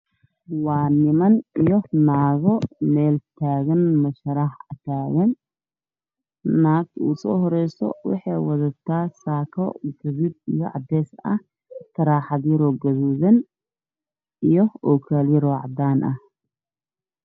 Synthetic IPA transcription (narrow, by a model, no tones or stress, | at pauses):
wɑːnɪmɐnijɔnaːɣɔmɛːlt̪ʰaːɣɐnmɐʃɐɾɑħɐt̪ʰaːɣɐn | aːkṵːsɔ̰ːhɔɾɛjsɔ̰wɑ̰ħɑjwɐðɐt̪ʰaːsaːkʰɔ̰ɡɐðud̪ijɔʕɑ̰d̪ɛːsɐh | t̪ʰɐɾaːħɑðiɾɔːɡɐðuːðɐn | ijɔɔkʰaːlɪɾɔːʕɑ̰d̪aːnʔɐ̰h